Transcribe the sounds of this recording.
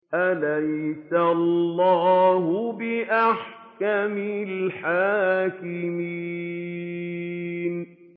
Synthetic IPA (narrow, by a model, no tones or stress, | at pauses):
ʔalajsalllːɑːɦʊbɪʔaħkamɪlħaːkɪmi | n